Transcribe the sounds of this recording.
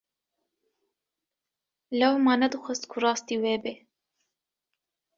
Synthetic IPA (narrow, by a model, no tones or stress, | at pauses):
lawmɑːnad̪ɨxʷast̪kʰuɾɑːst̪iweːbe